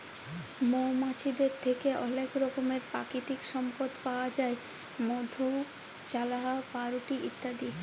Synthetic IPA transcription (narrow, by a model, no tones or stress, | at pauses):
momat͡ɕʰid̪eɾt̪ʰekeʔɔlekɾɔkomeɾpɾa̰kit̪ikʃɔmpod̪paoad͡ʑae | mod̪ʱu | t͡ɕalaɦapaɾuʈiʔḭt̪ːad̪i